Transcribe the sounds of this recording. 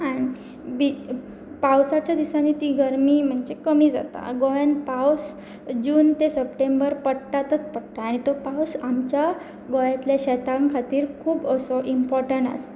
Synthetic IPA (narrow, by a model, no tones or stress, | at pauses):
añi | bi | pawsat͡ɕjad̪isaniːt̪iːɡəɾmiːm̤əɳd͡ʑekəmiːd͡za̰t̪a̰ɡojanpaws | d͡ʑuːnt̪esəpʈembəɾpəɽʈat̪ət͡spəɽʈ̪aːɽ̃it̪opawsamt͡ɕja | ɡojat̪ljaɕɛt̪ãŋkʰat̪iːɾkʰuːbəsoʔimpɔɾʈəɳʈa̰st̪a